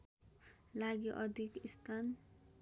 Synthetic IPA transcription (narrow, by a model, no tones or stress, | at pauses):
laɡiʔʌd̪ʱikist̪ʰan